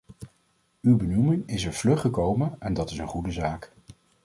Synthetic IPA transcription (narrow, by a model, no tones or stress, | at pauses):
ywbənumɪŋɪsɛɹv̥lɵχəkowmənɛndɑtɪsənχudəzaːk